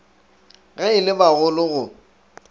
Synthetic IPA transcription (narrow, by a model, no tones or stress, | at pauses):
ɣaɪlɪbaɣʊlʊɣʊ